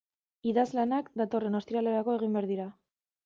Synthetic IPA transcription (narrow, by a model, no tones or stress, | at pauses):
iðazlanakd̪at̪o̞re̞no̞st̪iɾale̞ɾako̞e̞ɣ̞imbeaɾðiɾa